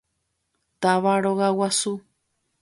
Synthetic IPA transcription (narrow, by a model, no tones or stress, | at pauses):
t̪aʋaɾoɣawasu